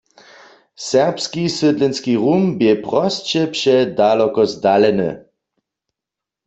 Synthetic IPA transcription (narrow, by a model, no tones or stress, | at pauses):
sɛʁpskisədlɛnskiʁumbjɛpʁɔst͡ʃɛpʃɛdalɔkɔzdalɛnə̰